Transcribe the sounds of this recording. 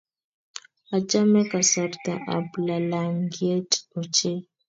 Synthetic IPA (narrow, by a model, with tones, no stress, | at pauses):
a˨t͡ʃa˦mɛ˦ka˨sa˨ɾt̪ã˨ʔa̰˨bla˨la˨ŋɡje˦to˨t͡ʃe˦